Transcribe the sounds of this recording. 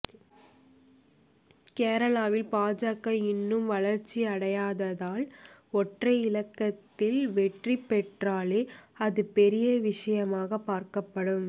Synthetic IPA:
keːɾɐɭaːʋɪlpaːd͡ʒaːkːɐɪnːɯmʋɐɭɐɾt͡ʃːiɐɽɐjaːðɐðaːlɔʈrɐɪɪlɐkːɐt̪ːɪlʋɛʈripːɛʈraːleːɐðɯpɛɾɪjɐʋɪʂɐjɐmaːɣɐpːaːɾkɐpːɐɽɯm

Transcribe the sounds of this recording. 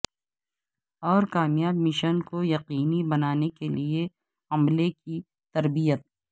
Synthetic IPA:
ɔːɾkaːmjaːbmɪʃənkojɐqiːnibɐnaːnekelie | ɐmleki | t̪ɐɾbijət̪̚

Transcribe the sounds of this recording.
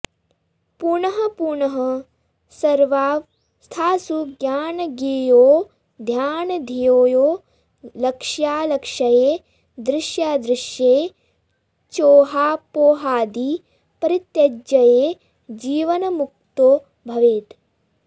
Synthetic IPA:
puɾɳɐɦɐ̆puɳɐɦɐ | sɐɾʋaːʋ | st̪ʰaːsuɡjaːnɐɡeːjoː | d̪ʱjaːnɐd̪ʱijoːjoː | lɐkʂjaːlɐkʂɐjeː | d̪ɾɪʃjaːd̪ɾɪʃjeː | t͡ʃoːɦaːpoːɦaːd̪i | pɐɾit̪jɐd͡ʒjɐjeː | d͡ʒiːʋɐnɐmuk̚t̪oː | bʱɐʋeːt̪

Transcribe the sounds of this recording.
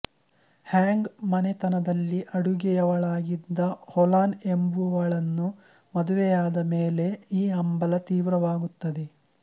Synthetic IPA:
haːŋɡmɐnet̪ɐnɐd̪ɐlːiʔɐɽuɡɛjɐʋɐɭaːɡid̪ːɐholaːne̞mbuʋɐɭɐnːu | mɐd̪uʋɛjaːd̪ɐmeːle̞iːɐmbɐlɐt̪iːʋɾɐʋaːɡut̪ːɐd̪e

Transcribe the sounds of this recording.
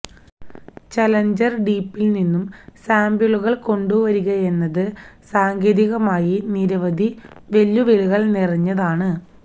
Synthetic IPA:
t͡ɕɐlɐɲd͡ʑɐrɖiːpːilninːumsaːmbjuɭuɣɐɭko̞ɳɖuʋɐɾuɣɐe̞nːɐðɨsaːŋɡeːðiɣɐmaːjiniɾɐʋɐd̪ʱiʋe̞lːuʋeluɣɐɭnirɐɲːɐðaːɳɨ

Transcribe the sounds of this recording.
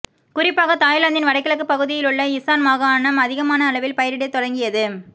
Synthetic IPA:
kʊrɪpːaːɣɐt̪aːjlɐnd̪ɪnʋɐɽɐɪkːɐɭɐkːɯpːɐɣɯðɪjɪlɯɭːɐɪsaːnmaːɣaːnɐmɐðɪɣɐmaːnɐːɭɐʋɪlpɐjɐɾɪɽɐt̪ːɔɽɐŋɡɪjɐðɯ

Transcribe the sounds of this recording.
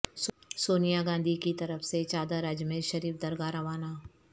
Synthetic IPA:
ssoːnijaɡãːnd̪ʱikit̪ɐɾəfʰset͡ʃaːd̪aɾad͡ʒmeʃɐɾiːfd̪ɐɾɡaːɾaʋaːnaː

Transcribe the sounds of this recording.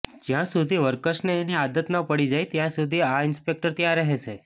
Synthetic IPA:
d͡ʒjãsud̪ʱiʋəɾkəʃneːniad̪ət̪nəpəɽid͡ʒajt̪jãsud̪ʱiaɪnspek̚ʈəɾt̪jãɾəɦet͡ʃʰe

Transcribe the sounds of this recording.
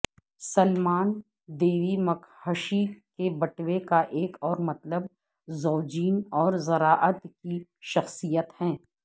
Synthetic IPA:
sɐlmaːn | d̪eːʋimɐkʰhəʃikebɐʈwekaʔeːkɔːɾmɐt̪ləb | zɔːd͡ʒiːnɔːɾzɐɾaːʔət̪kiʃɐxsijət̪hɛ̃ː

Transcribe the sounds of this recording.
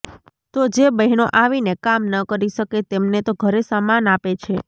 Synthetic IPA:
t̪od͡ʒebəɦnoʔaʋinekamnəkəɾiʃəket̪emnet̪oɡʱəɾesamanapet͡ʃʰe

